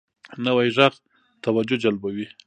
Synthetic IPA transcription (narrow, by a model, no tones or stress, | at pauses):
nəwajʒaɣ | t̪awad͡ʒʊd͡ʒalbawi